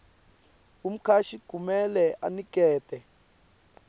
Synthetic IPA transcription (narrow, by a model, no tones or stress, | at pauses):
um̩kʰaʃiɡ̥ʱumɛlɛʔa̰nik̬ɛːtʼɛ